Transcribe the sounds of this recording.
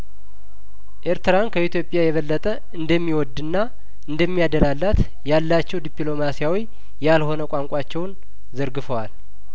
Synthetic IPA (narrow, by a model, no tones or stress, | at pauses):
ʔeɾt̪ɨɾankʰəit̪ʰjo̞pʼjajɛβəlːət̪ʼə | ɨnd̪əmːiwɔd̪ɨnːa | ɨnd̪əmːiad̪əlalːat̪ | jalːat͡ʃːɛwd̪ipʼlo̞masijawi | jalho̞nəkʼaŋkʷʼat͡ʃːɛwn | zəɾɡɨfəwal